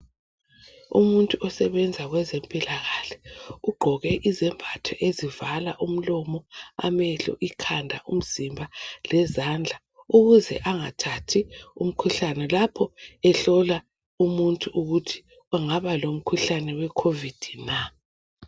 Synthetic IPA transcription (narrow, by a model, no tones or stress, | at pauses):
ṵmuntʼuɔsɛβɛnd͡zʱaɣwɛzempʼilaɣaɬɛ̥uɡ͡ǃʱɔɣɛʔizɛmbʱatʰɔʔezivalaʔum̩lɔmɔa̰mɛɬɔ̰ʔikʰandʱa̰ʔum̩z̥imbʱalɛzand͡ɮʱa | uɣuzɛʔaŋatʰatʰium̩kʰuɬanɛlapʰɔɛɬɔla | umuntʼuʔuɣutʰi̥ | uŋaβalom̩kʰuɬanɛwɛkʰovid̥ʱina